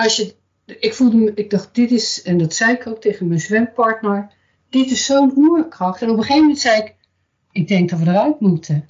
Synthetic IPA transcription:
ɑsjə | ɪkfulˠdəɪɡ̚dɑχt̚d̥ɪtɪsɛndɑtsɛjɪkʰowk̚tejχənmɛjnsʋɛmpɑɹtnəɹ | d̥ɪtɪsːownuːrəkrɑχtɛnɔpəχejvəmɛntsɛjɪk | ɪɡ̚dɛŋkɡ̚dɑtʋədərœɥtmutʰə

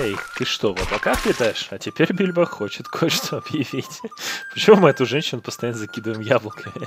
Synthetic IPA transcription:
ejt̪ɨʂt̪o̞vot̪pɐkakpʲɪt̪ajɪʂɐtʲɪpʲeɾʲbʲilʲbəxo̞t͡ɕɪt̪kʰot͡ɕt̪oɐbjɪvʲitʲpə̥t͡ɕɪmumɨɛt̪ʊʐɛnʲɕːɪnʊpəst̪ɐjanːəzɐkʲid̪əvəɪmjablˠəkʰəmʲɪ

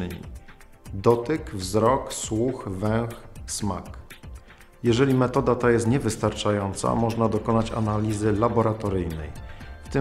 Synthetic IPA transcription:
ḭ | d̪ɔt̪ɘkvzɾɔkswuxvɛ̃w̃xsmak | jɛʐɛlʲimɛt̪ɔd̪at̪ajɛst̪ɲɛvɘst̪aɾt͡ʂajɔnt̪sa̰mɔʐnad̪ɔkɔnat͡ɕa̰nalʲizɘlabɔɾat̪ɔɾɘjnɛ̰jft̪ɘ

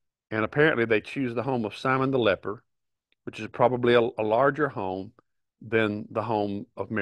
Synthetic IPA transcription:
ɨ̃ñəpʰɛɹɨ̰̃nʔliðeɪt͡ʃʰʉzðəɦõʊ̃mʌv̥sãɪ̃mə̃nðəlɛpə˞ | wɨt͡ʃɨz̥pʰɹ̥ɑbəbliəəlɑɹd͡ʒə˞hõʊ̃m | ðɨ̃nðəɦõʊ̃mʌvmɛ

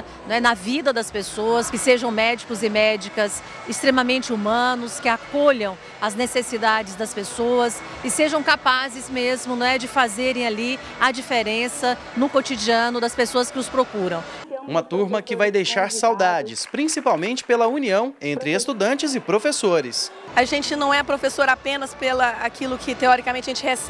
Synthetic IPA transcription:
ñɛnɐvid̪ɐd̪ɐspesoɐskɪseʒɐ̃w̃mɛd͡ʒikʊzɪmɛd͡ʒikɐs | ɪst̪ɾẽmɐmẽnt͡ʃɪumɐ̃nʊskɪakoʎɐ̃w̃ | ɐznesesid̪ad͡ʒɪzd̪ɐspesoɐs | ɪseʒɐ̃w̃kapazɪzmezmʊñɛd͡ʒɪfazeɾẽj̃ali | ɐd͡ʒifeɾẽsɐ | nʊkot͡ʃid͡ʒiɐ̃nʊd̪ɐspesoɐskɪʊspɾokuɾɐ̃w̃ | ũmɐt̪uɾmɐkɪvajd̪ejʃaɾsawd̪ad͡ʒɪspɾĩsipawmẽnt͡ʃɪ̥pelɐuniɐ̃w̃ẽnt̪ɾɪest̪ud̪ɐ̃nt͡ʃɪzɪpɾofesoɾɪs | ɐʒẽnt͡ʃɪnɐ̃w̃ɛpɾofesoɾapẽnɐspelɐakilʊkʰɪt̪eɔɾikamẽt͡ʃɪɐʒẽt͡ʃɪes

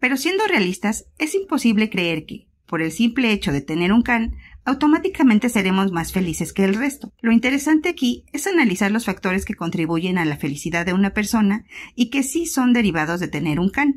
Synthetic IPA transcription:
pe̞ɾo̞sje̞nd̪o̞realist̪as | e̞simpo̞siβle̞kɾe̞eɾke̞ | po̞ɾe̞lsimple̞et͡ʃo̞ðe̞t̪e̞ne̞ɾuŋkanawt̪o̞mat̪ikamẽnt̪e̞se̞ɾe̞mo̞zmasfe̞lise̞ske̞ːlre̞st̪o̞lo̞int̪e̞ɾe̞sant̪eakie̞sanalisaɾlo̞sfak̚t̪o̞ɾe̞ske̞ko̞nt̪ɾiβ̞uʝe̞nalafe̞lisiðaððe̞unape̞ɾso̞naike̞siso̞nd̪e̞ɾiβ̞að̞o̞zðe̞t̪e̞ne̞ɾuŋkan

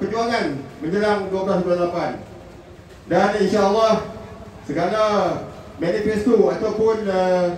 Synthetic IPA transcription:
pəɲd͡ʒuaŋanmə̃ɲd͡ʒəlaŋduabəlasbulalapan | daninʃaəlːah | səɡala | manifɛst̪uat̪awpʊnə

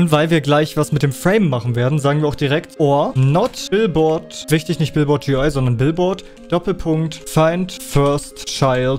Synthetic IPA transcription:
nv̥aɪlviːɐɡlaɪçv̥asmɪt̚d̥eːmfʁ̥ɛɪmːaχn̩veːɐdn̩zaːɡŋ̩viːɐaʊxd̥iʁ̞ɛktʔoːɐnɔtb̥ɪlbɔɐtvɪçtɪçnɪçt̚b̥ɪlbɔɐt̚d͡ʒ̥iːaɪzɔndɐnbɪlbɔɐt | d̥ɔpl̩pʰʊŋktfaɪntfœɐstʃaɪlt

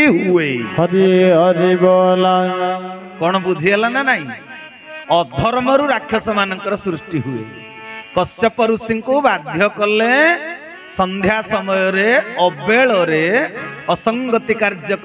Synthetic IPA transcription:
ɦueɔɾiɔd̪ibɔla | kɔɽ̃ɔbud̪ʱielananaɦĩ | ɔd̪ʱɔɾmɔɾuɾakʰːjɔsɔmanɔŋkɔɾɔsɾusʈiɦuḛ | kɔsjɔpɔɾusiŋkubad̪ʱjɔkɔle | sɔnd̪ʱjasɔmɔjɔɾeɔbeɭɔɾeɔsɔŋɡɔt̪ikaɾd͡ʒjɔk

